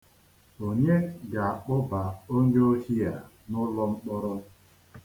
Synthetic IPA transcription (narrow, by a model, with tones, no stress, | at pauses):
o˨ɲe˦ɡa˨a˨k͡pʊ˦ba˨o˦ɲ˦o˦hi˦a˨ | nʊ˦lɔ˦ŋ͡m̩˦k͡pɔ˦ɾɔ˦